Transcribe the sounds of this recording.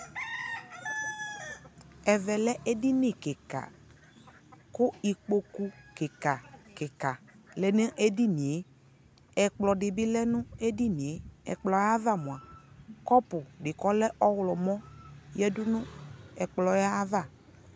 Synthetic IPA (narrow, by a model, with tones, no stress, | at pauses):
ɛ˨vɛ˨lɛ˦ʔe˦di˦nɪ˨ke˨ka̰˨ | kʊ˦i˨k͡po˨ku˦ke˨ka˨kɛ˨ka˨ | lɛ˨ne˦ʔe˦di˦nĩ˨e˦ | ɛ˨k͡plɔ˨ɖɪ˨bɪ˦lɛ˦nʊ̃˦e˦di˦nĩ˨e˦ɛ̰˨k͡plɔ˨ja˦ða˦˨mʊ̃˨a˨kɔ˦pʊ˨ɖɪ˨kɔ˦lɛ˦ʔɔ˦wlɔ˨mɔ̃˦jɛ˦dʊ˦nʊ̃˦ɛ˨k͡plɔ˨ja˦va˦˨